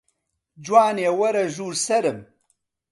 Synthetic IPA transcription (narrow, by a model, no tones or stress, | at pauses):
d͡ʒwaːneːwɐɾɐʒuːɾsɐɾɨm